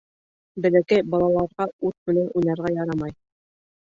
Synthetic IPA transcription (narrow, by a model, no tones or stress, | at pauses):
bɘ̆lækæjbɑlˠɑlˠɑɾʁɑʉt̪̚mɘ̆nænunɑɾʁɑjɑɾɑmɑj